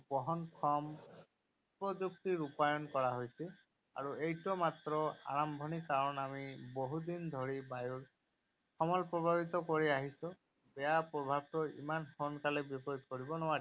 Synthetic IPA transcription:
bɔɦɔnkʰɔm | pɹɔzuk̚t̪iɹupajɔnkɔɹaɦojsi | a̰ɹuejtɔmat̪ɾɔa̰ɹambʱɔnikːaɹɔnamiboɦud̪ind̪ʱoɹibajuɹ | xɔmɔlpɹɔbʱabit̪ɔkoɹiaɦisɔ̃ | bɛjapɹɔbʱab̚t̪ɔḭmanxɔnkalɛbɔpɔɹit̪̚koɹibɔnɔa

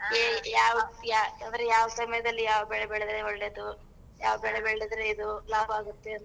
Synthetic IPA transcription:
ejaːʋɐjakand̪ɐɾejaːʋɐsɐmɐjɐd̪ɐlːijaːʋbɛɭebɛɭed̪ɾeoɭːed̪u | jaːʋɐbɛɭebɛɭed̪ɾeid̪ulaːbaːɡut̪ːeɐnt̪

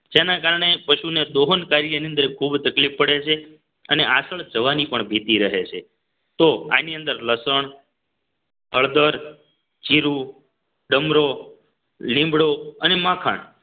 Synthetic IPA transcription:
d͡ʒenakaɾəɳ̃epəʃuned̪oɦənkaɾjəniənd̪əɾkʰubt̪əklifəɽet͡ʃʰe | əneʔasəɭd͡ʒəʋanipəɳbʱit̪iɾəɦet͡ʃʰe | t̪oa̰niənd̪əɾləsəɳ | həɭd̪əɾ | d͡ʒiɾu | ɖəmɾo | lĩmbɽoənemãkʰa̰ɳ

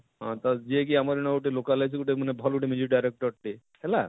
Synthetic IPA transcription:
ɦɔ̃t̪ad͡ʒiek̬iamaɾenɔɡuʈilokalajsʰɡuʈ̬imanebʱɔlɡuʈimed͡ʒuɾɖajɾek̚ʈɔɾʈi | hɛla

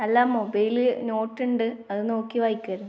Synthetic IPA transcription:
ɐlːaːmobɐjlɨno̞ːʈːuɳɖɨɐðɨno̞ːkːiʋajikʲːɐɾunː

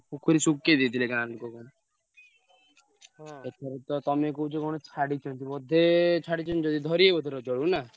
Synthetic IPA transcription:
pukʰuɾisuked̪it̪ʰilekãlukɔkɔɽ̃ | et̪ʰɔɾet̪ɔt̪ɔmekout͡ʃʰɔkɔɽ̃ɔt͡ʃʰaɽit͡ʃʰɔnt̪ibɔd̪ʱet͡ʃʰaɽit͡ʃʰɔnid͡ʒɔd̪id̪ʱɔɾiebɔd̪ʱːeɾɔd͡ʒɔɭuna

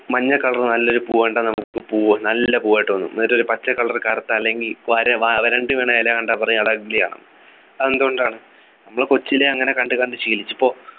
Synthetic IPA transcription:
mɐɲːɐkɐɭɐrnɐlːo̞ɾupuːʋɐɳɖanɐmukːɨpuːɐnɐlːɐpuːʋaːjʈːʋɐnːṵɐɾoɾupɐt͡ɕːɐkɐɭɐrkaːɾɐt̪ːaɐlːe̞ŋɡilʋɐɾɐʋaʋɐɾɐɳɖɨʋeːɳɐɐlekɐɳɖaːpɐrɐjuɐɽɐɡilija̰ːɳɐ̰nːɨ | end̪uoɳɖaːɳɨ | nɐmːɐɭkot͡ɕːileɐŋːɐne̞kɐɳɖɨkɐɳɖɨt͡ɕiːlit͡ɕːipːo̞ː

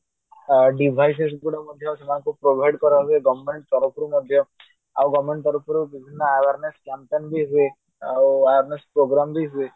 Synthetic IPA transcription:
ɖibʱajs̬esɡuɽamɔd̪ʱjawsemankopɾobʱajɖkɔɾaɦueɡɔʋmeɳʈ̚t̪ɔɾɔpɾumɔd̪ʱːjɔ | a̰wɡɔʋmeɳʈt̪ɔɾɔpɾubibʱinːaaʋaɾneskampenbʱiɦue | awaaɾnespɾoɡɾambʱiɦue

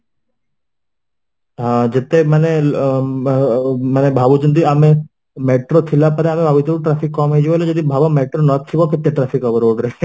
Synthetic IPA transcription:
ɦãd͡ʒet̪emane | manebʱaːbut͡ʃɐnd̪iaːme | meʈɾot̪ʰilapəɾeaːmẽbʱaːbut͡ʃuʈɾaːfʰikːɔːmɦejd͡ʒiʋoled͡ʒəd̪ibʱabameːʈɾonət̪ʰiʋokɪt̪ːeʈɾaːfʰikɐʋəɾoːɖɾɐe

